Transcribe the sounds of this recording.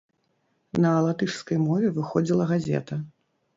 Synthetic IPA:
nɐːlˠat̪ɨʂskɐjmɔvʲɛvɨxɔd͡zʲilˠɐɣazʲɛ̰t̪ɐ

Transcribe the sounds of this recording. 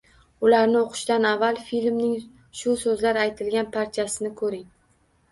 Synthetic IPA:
ʊlaɾnɪoqʰʊ̥ʃd̪anavːalˠfilmnɪŋ | ʃʊsɵzlaɾajt̪ʰɪlɡʲanpʰaɾt͡ʃʰasɪnɪkʰɵɾɪŋ

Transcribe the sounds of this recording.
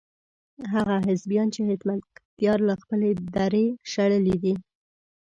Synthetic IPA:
ɦaɣaɦɪzbjɑnt͡ʃeɦɪt̪mat̪t̪jɑɾlaxpəled̪aɾeʃaɽəlid̪i

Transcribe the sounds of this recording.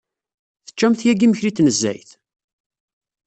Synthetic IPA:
θə̥t͡ʃːæmθjæɡiməçɾit̪ːnəzːæ̰jθ

